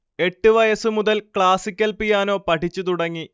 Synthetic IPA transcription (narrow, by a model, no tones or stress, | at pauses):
e̞ʈːɨʋɐjɐsɨmuðɐlkɭaːsikʲːɐlpijaːno̞ːpɐʈʰit͡ɕːut̪uɽɐŋːi